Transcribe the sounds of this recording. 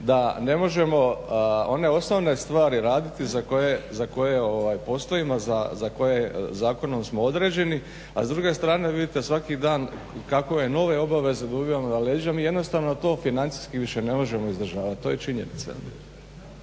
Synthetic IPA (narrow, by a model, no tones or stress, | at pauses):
d̪ane̞mo̞ʒe̞mo̞o̞ne̞o̞sno̞ʋne̞st̪ʋaːɾiɾaːd̪it̪izakoje̞zako̞je̞o̞ʋaːjpo̞st̪o̞imazazako̞jezaːko̞no̞msmo̞o̞d̪ɾe̞ːd͡ʑe̞ni | a̰zd̪ɾuːɡe̞st̪ɾaːne̞ʋid̪it̪e̞sʋakid̪aːn | kakojeno̞ʋe̞o̞baʋe̞ze̞d̪aubijamod̪aleːd͡ʒiamiːjed̪no̞st̪aʋnot̪o̞ːfinant̪si̥jskiʋiʃe̞ne̞mo̞ʒe̞mo̞izd̪ɾr̩ʒaːʋat̪̚t̪ːo̞ːjet͡ʃiɲe̞̰nit̪sa̰